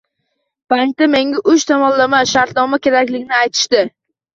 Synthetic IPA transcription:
b̥aŋk̚t̪ame̞ŋʲaʔʊt͡ʃt̪ʰamɒnlamaʃaɾt̪nɒmakʲʰe̞ɾakʲlɪɡʲnɪajt̪ʰɪ̥ʃt̪ɪ

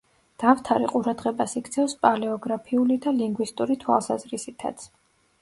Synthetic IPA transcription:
d̪̥aft̪ʰaɾiqʼuɾad̪ʁɛbasikʰt̪sʰɛfspʼalɛɔɡɾapʰiulid̪aliŋɡwist̪ʼuɾit̪ʰwa̰lˠsazɾisit̪ʰa̰t̪sʰ

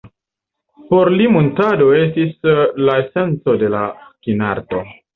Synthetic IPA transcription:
po̞ɾlimontado̞e̞stislaese̞nt͡so̞de̞lakinaɾto̞

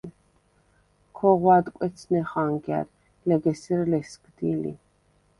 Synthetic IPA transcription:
kʰɔʁwad̪kʷʼwɛt̪t͡sʰnɛχaŋɡɛ̰ɾ | lɛɡɛsiɾlɛskʼd̪ilḭ

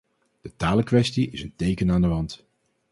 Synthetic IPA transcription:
d̥ətaːləkʋɛstiɪsəntejkənaːndəʋɑnt

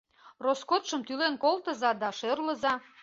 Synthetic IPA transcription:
roskot̪ʃəmt̪ylenkolt̪əzɑd̪ɑʃørləzɑ

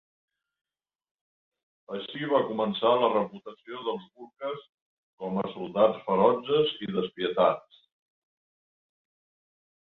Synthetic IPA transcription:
əʃiβ̞akumənsalərəput̪əsioðəlˠzβuɾkəs | kɔməsulˠd̪at͡sfəɾɔd͡ʒəziðəspiət̪as

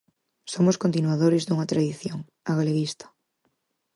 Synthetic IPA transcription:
somʊskont̪inwaðoɾɪzd̪uŋɐt̪ɾaðiθjoŋ | aɣaleɣist̪ɐ̥

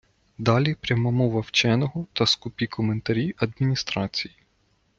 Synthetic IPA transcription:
d̪ɑlʲipɾʲɐmɑmɔʋɐwt͡ʃɛnɔɦɔt̪ɐskʊpʲikʰɔment̪ɐɾʲiʔɐd̪mʲinʲist̪ɾɑt͡sʲiji

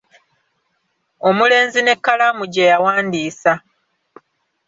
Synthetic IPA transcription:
o̞mule̞ːnzine̞kːalamuɟejawaːndiːsa

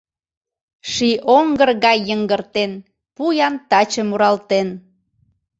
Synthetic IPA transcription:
ʃiʔoŋɡərɣɑjːəŋɡərt̪en | pujɑnt̪ɑt͡ɕəmuɾɑlt̪en

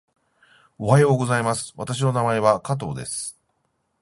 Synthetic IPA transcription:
o̞ɦajo̞ːɡo̞zaimasɨ̥βat̪aɕ̬ino̞namae̞βakat̪̬o̞̰ːd̪e̞sɨ̥

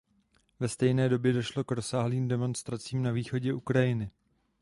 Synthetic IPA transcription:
vɛst̪ɛjnɛːdo̞bjɛdo̞ʃlo̞kɾo̞saːɦliːmdɛmo̞nst̪ɾat͡siːmnaviːxo̞ɟɛʔukɾajɪnɪ

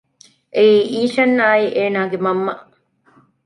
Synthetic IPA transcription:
ʔeiːʔiːʃɐnːaːiʔeːnaːɡemɐmːɐ

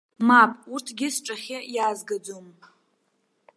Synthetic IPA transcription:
mapʼurtʰɡʲɪsʈ͡ʂʼaχʲajaːzɡad͡zom

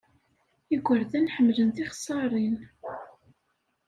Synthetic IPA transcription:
iɡʷəɾðænħəmːlənθɪχəsˤːɑɾˤin

